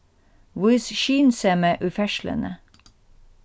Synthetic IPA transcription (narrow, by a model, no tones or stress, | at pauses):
wɪːsʃiːnsɛməʔʉfæʃlə̰nə